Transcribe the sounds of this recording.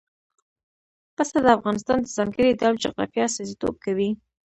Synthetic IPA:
pəst̪ad̪əafɣɑnɪst̪ɑnd̪əzɑŋɡəɾid̪awd͡ʒa̰ɣɾɑ̰fjɑsɑzit̪o̰b̚kawi

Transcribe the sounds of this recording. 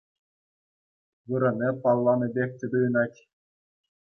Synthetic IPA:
ʋɯɾɤ̆nʲɘpɑlˠːɑnɤ̆bʲekʲtʲɘ̆d̪ujɤ̆nɑtʲ

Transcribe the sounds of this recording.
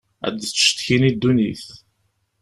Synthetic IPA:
æ̰d̪t͡sːʃt̪çinid̪ːuniθ

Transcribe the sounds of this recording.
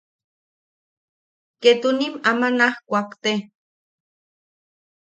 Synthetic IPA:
ket̪unimamanahkʷakt̪e

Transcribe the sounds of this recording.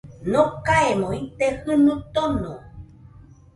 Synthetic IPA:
nokaemõit̪ehɨnũt̪onõ

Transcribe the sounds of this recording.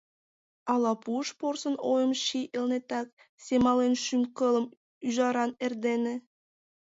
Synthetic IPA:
ɑlˠɑpuʃporsə̆nojə̆mʃiʔelnet̪ɑk̚ | sʲemɑlenʃymkɤlˠə̆m | yʒɑɾɑnerd̪enĕ

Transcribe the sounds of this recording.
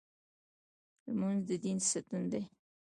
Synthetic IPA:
lmanzd̪əd̪insat̪und̪ej

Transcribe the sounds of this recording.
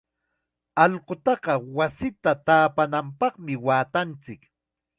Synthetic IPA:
ɑʎqot̪ɑɢɑwasɪt̪at̪aːpanampɑχmɪwaːt̪ant͡sɪk

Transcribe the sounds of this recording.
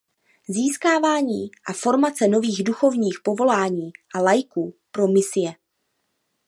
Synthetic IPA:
ziːskaːvaːɲiːʔafo̞ɾmat͡sɛno̞viːɣduxo̞vɲiːxpo̞vo̞laːɲiːʔalajkuːpɾo̞mɪsɪjɛ

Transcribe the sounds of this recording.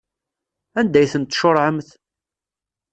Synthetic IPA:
ænd̪æjθənt̪ːʃʊɾˤʕəmθ

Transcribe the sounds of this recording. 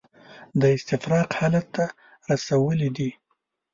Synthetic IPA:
d̪əɪst̪ɪfɾɑqhɑlat̪ːa | ɾasawəlid̪i

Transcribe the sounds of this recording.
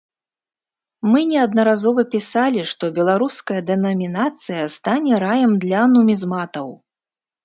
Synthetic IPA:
mɨnʲɛɐd̪nɐɾazɔvɐpʲisalʲiʂt̪ɔbʲɛlˠaɾuskɐjɐd̪ɛnɐmʲinat̪sɨjɐst̪anʲɛɾajɛmd̪lʲɐɐnumʲizmat̪ɐw

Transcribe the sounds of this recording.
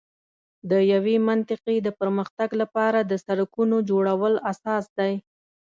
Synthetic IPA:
d̪əjawemant̪ɪqed̪əpəɾməxt̪aɡlapɑɾad̪əsaɾakunod͡ʒoɽawəlasɑsd̪aj

